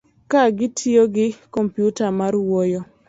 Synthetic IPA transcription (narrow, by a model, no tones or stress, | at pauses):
kaɡɪtʰioɡɪkɔmpjutamaɾwɔjɔ